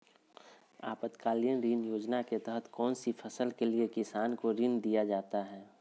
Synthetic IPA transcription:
aːpət̪kaːlijə̃nɾiːnjoːd͡ʒnaket̪ɛɦət̪ʰkɔːnsipʰəsəlkeliekɪsaːnkoɾind̪ijad͡ʒaːt̪aɦɛː

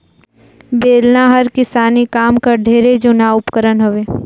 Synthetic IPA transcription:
beːlnaɦəɾkɪsaːnikaːmkaɖʱeːɾed͡ʒonaʊpkəɾənɦʊʋeː

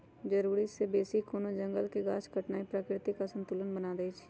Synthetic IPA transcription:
d͡ʒəɾuːɾisebeːsikoːnod͡ʒə̃ŋɡəlkeɡaːt͡ʃkəʈnaːipɾaːkɾɪt̪ikasə̃nt̪ulənbənaːd̪et͡ʃʰ

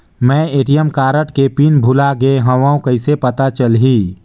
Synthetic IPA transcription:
mɛ̃ːeːʈijəmkaːɾəʈkepinbʱʊlaɡeɦə̃ʋaũkəɪsepət̪at͡ʃəlɦiː

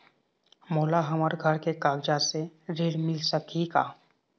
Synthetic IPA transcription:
moːlaɦɐməɾɡʱəɾkekaːɡd͡ʒaseɾeɽmɪlsəkika̰ː

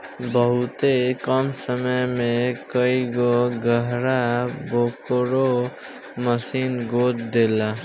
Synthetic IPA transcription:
bʌɦut̪ekʌmsʌmʌjmekʌjɡoɡʌɦɾabokoɾo | mʌsinɡot̪d̪ela

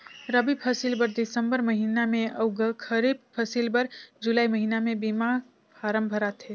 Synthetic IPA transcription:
ɾəbipʰəsilbəɾd̪ɪsəmbəɾməɦinamẽəʊɡəkʰəɾib̚pʰəsilbəɾd͡ʒulaːiməɦinamẽbima | paːɾəmbʱəɾat̪ɦɛ

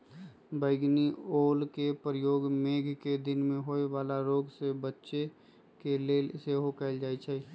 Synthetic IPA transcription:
bəɪɡnioːlkepɾəjoːɡmeːɡʱked̪ɪnmẽɦoːeʋaːlaɾoːɡsebətːʃe | keleːseɦokɛɪld͡ʒaːit͡ʃʰɛ

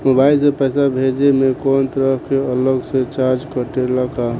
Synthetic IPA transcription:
mobailsẽpəjsabʱed͡ʒemekont̪əɾəɦkeələɡsẽt͡ʃaɾd͡ʒkəʈeləka

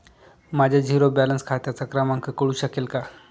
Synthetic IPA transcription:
mad͡ʑʱjad͡ʑʱiɾobælənskʰat̪jat͡sakɾamaŋkʰəkəɽuːɕəkelka

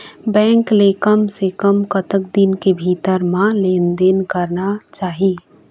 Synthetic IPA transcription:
bɛ̃ːŋkleːkəmsekəmkət̪əkd̪inkebʱiːt̪əɾmãlẽːnd̪enkəɾnat͡ʃaːɦi

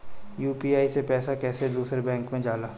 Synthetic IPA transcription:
juːpiːaːisepɛːsakɛːsed̪uːsɾebɛ̃ːŋkmẽd͡ʒaːlaː

